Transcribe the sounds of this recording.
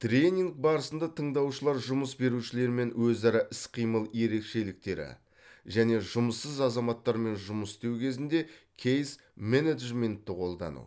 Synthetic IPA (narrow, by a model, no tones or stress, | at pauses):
t̪ɾʲe̞nʲiŋɡ̚bɑɾəsənd̪ɑt̪ʰəɴd̪ɑwʃəlˠɑɾʒʊməsbe̞ɾuʃɪle̞ɾme̞nwɵzɑɾɑʔɪsqʰijməlˠje̞ɾe̞kʃe̞lɪk̚t̪e̞ɾɪ̰ | ʒæne̞ʒʊməsːəzɑzɑmɑt̪ːɑɾme̞nʒʊməst̪ewkʲʰe̞zɪnd̪e̞kʲʰejs | mened̪ʒme̞nt̪ːɪqʰo̞lˠd̪ɑ̰nṵ